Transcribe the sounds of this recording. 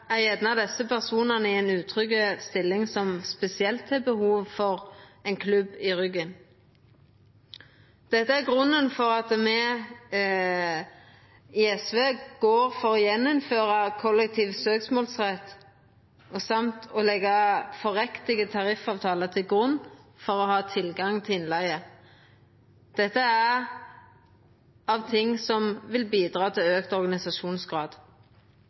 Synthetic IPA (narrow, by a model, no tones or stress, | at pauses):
æʁɛd̪nɑʋd̪ɛsəpʰæʁsuːnənəɪɛnʉːt̪ʰʁʏkːəst̪ɪlːɪŋsɔmspɛsɪɛlt̪ʰːɪbəhuːʋfɔʁɛnkʰlʉbɪʁʏɡən | d̪̥ɛt̪ːəæʁɡʁʉnːənfɔʁɑt̪mɛ | ɪɛsʋeːɡ̥oːʁfɔʁɔjɛnːʊmføːʁɑkʰɔlːɛk̚t̪ʰiːʋsøːksmoːlsʁɛt̪ː | ɔsɑmt̪ɔlɛɡɑfɔɾɛkt̪ɪɡət̪ʰɑʁɪfɑːʋt̪ʰɑːləʁt̪ʰɪlɡʁʉnːfɔʁɔhɑːt̪ʰɪlɡɑŋt̪ʰɪɪnlæɪə | d̪̥ɛt̪ːəæ | ɑʋt̪ʰɪŋːsɔmʋɪlbiːd̪ʁɑːt̪ʰɪløːkt̪ɔɾʁɡɑnɪsɑʃuːnsɡʁɑːd̪